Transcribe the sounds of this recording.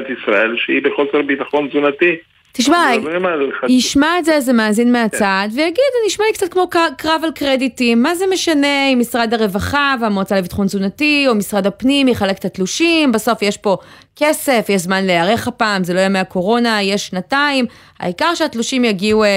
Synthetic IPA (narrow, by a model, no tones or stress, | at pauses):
t̪isʁaelʃeibeχolsotbit̪aχo̞nzunati | t̪iʃmaimaiʃmaetzezemaːzinmeaadvejaɡidaniiʃmalikt͡sat̚kmo̞kakʁavalkʁeditimːaze̞me̞ʃane̞imisʁadaʁe̞vaχaveamot͡salevitχo̞nzunatio̞misʁadapnimjeχale̞ke̥t̪at̪luʃimbaso̞fjeʃpo̞ | ke̞se̞fjeʃzmanleaʁeχapaːmzelojameako̞ʁo̞najeʃːnataim | ha̰ikaʁʃeat̪luʃimjaɡiu